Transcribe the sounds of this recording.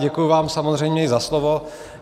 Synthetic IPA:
ɟɛkujuvaːmsamozr̝ɛjmɲɛɪzaslovo

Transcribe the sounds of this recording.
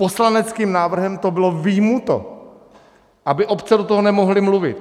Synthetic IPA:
po̞slanɛt͡skiːmnaːvr̩ɦɛmt̪o̞bɪlo̞vɪjmut̪o̰ | ʔabɪʔo̞pt͡sɛdot̪oɦonɛmo̞ɦlɪmluvɪ̰t̪

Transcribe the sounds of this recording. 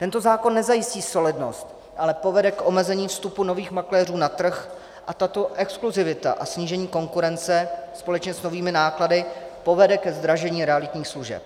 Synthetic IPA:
t̪ɛnt̪o̞zaːko̞nːɛzajɪsciːso̞lɪdno̞̰st̪ | ʔalɛpo̞vɛdɛkʔomɛzɛɲiːfst̪upuno̞viːxmaklɛːruːnat̪r̩x | ʔat̪at̪o̞ʔɛkskluzɪvɪt̪a̰ʔasɲiːʒɛɲiːko̞ŋkuɾɛnt͡sɛspo̞lɛt͡ʃɲɛsno̞viːmɪnaːkladɪpo̞vɛdɛkɛzd̪ɾaʒɛɲiːɾɛalɪt̪ɲiːxsluʒɛ̰p̚

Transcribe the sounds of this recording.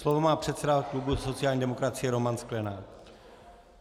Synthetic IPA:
slo̞vomaːpr̝̥ɛt̪sɛdaklubuso̞t̪t͡sɪaːlɲiːdɛmo̞kɾat͡sɪjɛɾo̞mansklɛnaː

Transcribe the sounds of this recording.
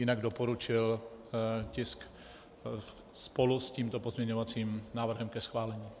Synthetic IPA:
jɪnaɡdopo̞ɾut͡ʃɪl | cɪsk | spolusciːmt̪opozmɲɛɲovat͡siːmnaːvr̩ɦɛmkɛsxvaːlɛɲiː

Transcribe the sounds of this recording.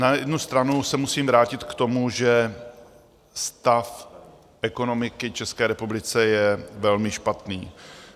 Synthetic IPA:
najɛdnust̪ɾanusɛmusiːmvɾaːcɪt̪kt̪o̞muʒɛ | st̪af | ʔɛko̞no̞mɪkɪt͡ʃɛskɛːɾɛpublɪt͡sɛjɛvɛlmɪʃpat̪niː

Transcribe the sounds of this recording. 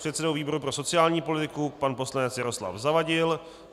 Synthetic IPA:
r̥ɛt̪sɛdowviːbo̞ɾupɾo̞so̞t͡sɪjaːlɲiːpo̞lɪt̪ɪkupanpo̞slanɛt͡sjaɾo̞sla̰fzavaɟɪl

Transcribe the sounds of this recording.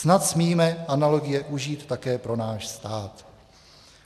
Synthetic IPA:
snat̪smiːmɛʔanalo̞ɡɪjɛʔuʒiːt̪ːakɛːpɾo̞naːʃst̪aːt̪

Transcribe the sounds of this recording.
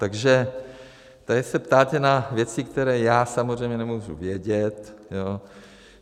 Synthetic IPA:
t̪aɡʒɛ | t̪ajɪsɛpt̪aːt̪ɛnavjɛt͡sikt̪ɛɾɛːjaːsamozrɛjmɲɛnɛmuːʒṵvjɛɟɛt̪joː

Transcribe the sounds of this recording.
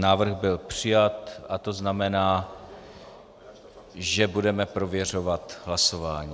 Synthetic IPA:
naːvr̩ɣbɪlpr̝̥ɪjat̪ʔat̪o̞znamɛnaː | ʒɛbudɛmɛpɾo̞vjɛro̞vat̪ɦlaso̞vaːɲiː

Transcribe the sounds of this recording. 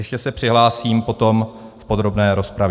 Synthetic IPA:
jɛʃcɛsɛpr̝̥ɪɦlaːsiːmpo̞t̪o̞mfpo̞d̪ɾo̞bnɛːɾo̞spɾav

